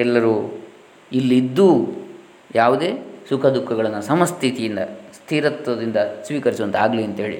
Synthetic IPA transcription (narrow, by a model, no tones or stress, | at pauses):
ɛlːɐɾu | ilːid̪ːu | jaːʋud̪e̞ːsukʰɐd̪ukʰːɐɡɐɭɐnːusɐmɐst̪ʰit̪ijind̪ɐ̰st̪ʰiːɾɐt̪ːɐd̪ind̪ɐsʋiːkɐɾisuʋɐnt̪aːɡliɐnt̪ɐɦeːɭḭ